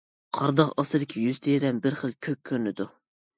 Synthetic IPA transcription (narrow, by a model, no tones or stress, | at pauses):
qʰɑɾd̪ɑqɑsɨɾɪkʲʰijyz̥t̪ʰeɾɛmbɪɾχəlˠkʲʰøk̚ʲʰːøɾnɪd̪u